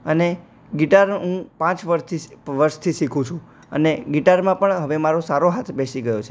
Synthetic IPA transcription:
əne | ɡiʈaɾɦũpãt͡ʃʋəɾʃt̪ʰiʋəɾʃt̪ʰiʃikʰũt͡ʃʰũ | ə̰neɡiʈaɾmãpəɳɦəʋemaɾosaɾoɦat̪ʰbesiɡəjot͡ʃʰe

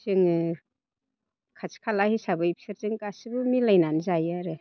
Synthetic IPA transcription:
zɯŋ | kʰat͡ʃkʰalahisabɯjpsɯɾzɯŋkasibɯmilajnanzajaɾɯ

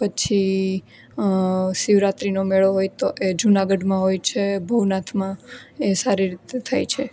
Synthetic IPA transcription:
pət͡ʃʰi | siʋɾat̪ɾinomeɭoɦojt̪oʔed͡ʒunaɡəɖmãɦojt͡ʃʰebʱəʋnat̪ʰmãesaɾiɾit̪et̪ʰa̰jt͡ʃʰe

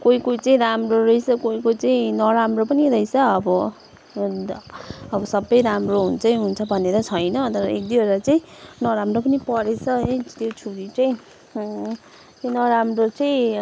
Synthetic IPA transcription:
koikoit͡saĩɾamroɾʌisʰʌkoikot͡saĩnʌɾamropʌniɾʌjsʰʌːbʌ | ʌbʌsʌbːʌjɾamroɦunt͡sʰʌĩɦunt͡sʰʌbʱʌneɾʌt͡sʰʌjnʌt̪ʌɾʌek̚d̪iʌɾʌt͡saĩnʌɾamrop̬ʌnipʌɾet͡sʰʌɦʌjt̪jot͡sʰuɾit͡sʌĩ | t̪onʌɾamrot͡sʌĩ

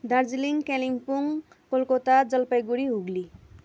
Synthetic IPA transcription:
d̪ard͡ziliŋkeliŋpuŋ | kolkot̪ad͡zʌlpajɡuɾiɦuɡli

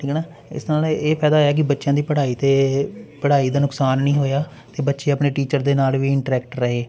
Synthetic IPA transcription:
ʈʰiːknaː | ɪ̰snaːleːpʰɛːd̪aːoːjaːk̬ɪbətːʃjãːd̪iːpəɽaːiːt̪eːpəɽ̤aːiːd̪aːnʊksaːnːĩːɦoːjaː | t̪eːbətːʃeːəpɳeːʈiːt͡ʃəɾd̪eːnaːlʋiːɪɳʈəɾɛːkʈɾəɦeː

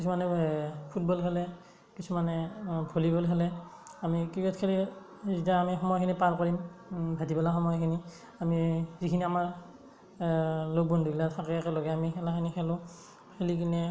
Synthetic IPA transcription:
kisumanɛpʰut̚bɔlɦɛlɛ | kisumanɛbʱolibɔlɦɛlɛamikiɡɔtkʰeli | zitaamixɔmɔjakʰinipankɔɹimbʱadibalaxɔmɔjɔkʰini | amizikʰiniamaɹ | lok̚bɔnduɡlatʰakɛkɛlɔɡɛamixɛlakʰinixɛlʊ̃ | hʰelikʰinɛ

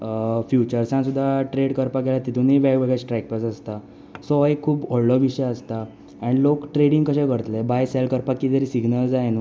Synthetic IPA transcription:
fjut͡ɕəɾsãsud̪ʱːaʈɾeɽkəɾpaɡɛlat̪it̪ʰuniʋaɡʋeɡasʈɾɛk̚pasəst̪a | sɔekʰːuːbɔɽlɔʋiɕəjəst̪a | aɽ̃ilokʈɾeɽiŋɡkəɕɛ̃kəɽət̪lɛbajsɛlkəɾpakːit̪əɾisiɡnəld͡zajn

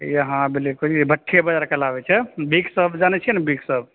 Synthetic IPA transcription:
jeɦãbelikod͡ʒibəʈʰːebəd͡ʒaɾkelabɛt͡ʃʰɛbiksəbʱd͡ʒanɛt͡ʃʰinbiksəb̚

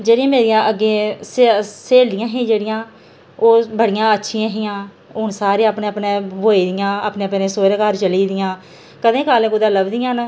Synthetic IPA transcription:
d͡ʒeːɽɪãːmeːɾɪjãːʔəɡːeːseseːld̪ɪjãːɦẽːd͡ʒeːɽɪjãː | oːbəɽɪjãːətːʃʰɪjãːɦɪjãː | oːnsaːɾeːaːpneːəpneːbʱoːiːd̪ɪjãːaːpneːpenẽːsoːɾeːkəɾt͡ʃəliːd̪ɪjãː | kəd̪ẽːkaːlẽːkʊd̪ãːləbd̪ɪjãːn

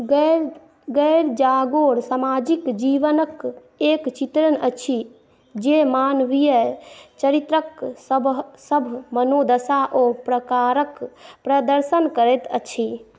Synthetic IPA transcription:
ɡɛɾd͡ʒaɡoːɽsamaːd͡ʒikd͡ʒiʋənək | ekt͡ʃit̪ɾənət͡ʃʰi | d͡ʒemaːnʋijət͡ʃəɾit̪ɾəkəbsəbʱmənod̪əsaʔopɾəkaɾəkpɾəd̪əɾsənkəɾɛt̪ət͡ʃʰi

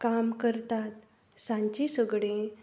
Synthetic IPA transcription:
kamkəɾt̪at̪ | sãɲt͡ɕisəɡɽẽ

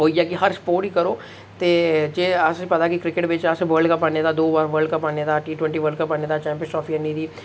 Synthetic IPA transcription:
ɦoːid͡ʒaːkiɦəɾspoːʈiːkəɾoː | t̪eːd͡ʒeːaːsepət̪aːkikɾɪkɪʈbeːt͡ʃaːseʋəːɾɖkəpaːnẽd̪aːd̪oːʋaɾʋəɾlɖkəpaːned̪aːʈiːʈwɛ̃ɳʈiːʋəːɖkəpanẽːd̪aːt͡ʃɛ̃ːmpɪsʈɔːpʰiəniːd̪iː

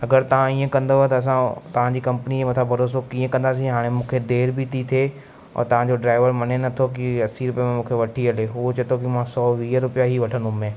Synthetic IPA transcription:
ɐɡəɾt̪ɐʋ̤ãiːẽkɐ̃nd̪oɦet̪ɐːs̬ãt̪ɐʋ̤ãɲd͡ʑiːkɐ̃mpəniemɐt̪ʰabʱɐɾoːs̬okĩːẽkɐ̃nd̪aːsĩɦaːɽ̃emũːkʰed̪eːɾbit̪ʰit̪ʰeː | ɔ̰ːɾt̪ɐʋ̤ãd͡ʑoɖɾaːɪʋəɾmɐnenɐt̪ʰok̬iɐsiɾʊpijemẽmũːkʰeʋɐʈʰiɐleɦut͡ɕɐt̪ʰokimãsɔːʋiːəɾʊpijaɦiʋɐʈʰə̃nd̪ũmẽ

